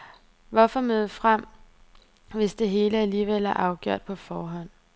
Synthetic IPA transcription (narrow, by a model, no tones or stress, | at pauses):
ʋɒfɒmøð̞ˠfʁam̰ | ʋe̝sd̥e̝ɦe̝ːləæliːʋel̰æɐʔɑ̈ʊɡ̥joɐ̰d̥̚pʰɒ̽fɒːɦɒ̽n̰